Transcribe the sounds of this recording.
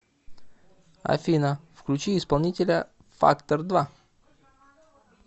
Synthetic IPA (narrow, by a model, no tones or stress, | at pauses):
ɐ̰fʲinəfklʲʉt͡ɕiɪspɐlˠnʲitʲɪlʲə | fa̰kt̪ərd̪va